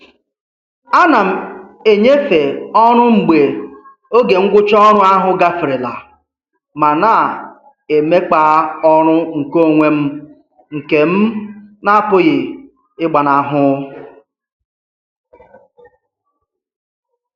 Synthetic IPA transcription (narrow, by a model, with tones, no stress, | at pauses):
a˦na˨m̩˨e˨ɲe˦fe˨ɔ˦ɾʊ˦ŋ͡m̩˨ɡ͡be˨ | o˦ɡe˨ŋ̩˦ɡʷʊ˦t͡ʃɔ˦ɾ̃ʊ˦a˦ɦʊ˦ɡa˦fɾe˨la˨ | ma˨na˦˨ | e˨me˦k͡pa˦ɔ˦ɾ̃ʊ˦ŋ̩˨ko˦˨ŋʷe˦m̩˦ | ŋ̩˨ke˨m̩˦na˦˨pʊ˦ɣɪ˨ | ɪ˦ɡ͡ba˨na˨ɦʊ˦